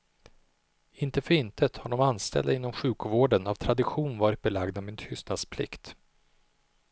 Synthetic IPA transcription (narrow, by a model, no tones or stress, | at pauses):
ɪnt̪əfœɾɪnt̪ʰət̪haɖɔmanst̪ʰɛ̰ld̪aɪnːɔmɧʉ̟ːkvoːɖənavt̪ʰɾad̪ɪɧuːnvɑːɾɪt̪̚bɛlaɡd̪amɪnt̪ʰʏst̪nad̪spʰlɪ̰kt̪